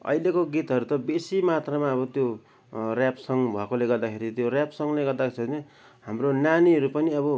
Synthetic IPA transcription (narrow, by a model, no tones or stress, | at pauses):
ʌ̰ilekoɡit̪ɦʌɾut̪ʌbesimat̪ramaʌβʌt̪jo | rjapsʌŋbʱʌkoleɡʌrd̪akʰeɾit̪jorjapsʌŋleɡʌrd̪akʰt͡sʰʌne | hamronaniɦʌɾupʌniʌbʌ